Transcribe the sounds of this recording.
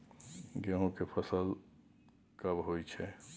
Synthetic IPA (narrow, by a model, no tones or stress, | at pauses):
ɡeɦõkepʰəsəl | kɐbɦoːit͡ʃʰɛː